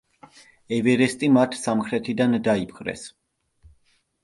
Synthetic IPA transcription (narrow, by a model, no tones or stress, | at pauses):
ɛvɛɾɛst̪ʼimat̪ʰsamχɾɛt̪ʰid̪and̪aipʰχɾɛ̰s